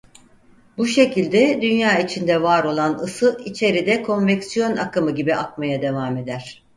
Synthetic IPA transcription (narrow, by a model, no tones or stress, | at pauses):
buʃe̞cʰilʲd̪ɛd̪ynjaːit͡ʃʰind̪ɛvaːɾo̞lˠanɯsɯit͡ʃʰe̞ɾid̪ɛkʰo̞nvɛcsijo̞nakʰɯmɯɟibiʔakmajad̪e̞vaːme̞d̪æɾ̥